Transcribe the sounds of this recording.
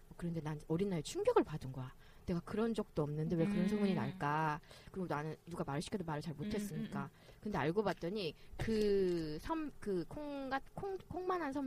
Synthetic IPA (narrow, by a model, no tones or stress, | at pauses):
ʌkɯɾʌnde̞nanʌɾinːaɾet͡ɕʰuŋbjʌɡɯɭpadɯnɡʌja | ne̞ɡakɯɾʌnd͡ʑʌk̚t͈oʌmnɯnde̞we̞kɯɾʌnsʰʌŋuɲinaɭk͈akɯɾiɡonanɯnːuɡamaɾɯɭɕʰi̥kʰidomaɾɯɭt͡ɕaɭmotʰe̞s͈ɯmɲik͈a | kɯnde̞aɭɡobat̚t͈ʌɲikɯsʰʌmkɯkʰoŋɡakʰoŋkʰoŋmanansʰʌm